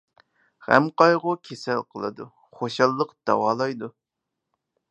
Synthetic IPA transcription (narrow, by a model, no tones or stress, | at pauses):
hæ̰mqɑjʁʊkʲʰesɛlqʰəlˠɨ̰d̪ṵ | χoʃɑlˠːəqd̪̥ɑ̰wɑːlˠɑjd̪u